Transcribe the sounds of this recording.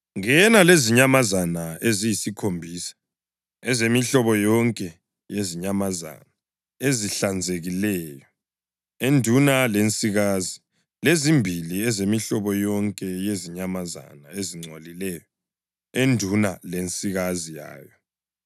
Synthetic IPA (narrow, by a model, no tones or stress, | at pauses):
ŋɛnaleziɲamazanaezijisikʰombʱisḁ | ɛzemiɬɔβɔjɔŋkʼɛ | jeziɲamaza̰na | eziɬand͡zʱeɣilɛːjɔ | endʱunalent͡sʼiɣazi | lezimbʱiliɛzemiɬɔβɔjɔŋkʼɛjeziɲamaza̰naeziŋ͡ǀʱolilɛjɔ | endʱunalent͡sʼiɣazija̰ːjɔ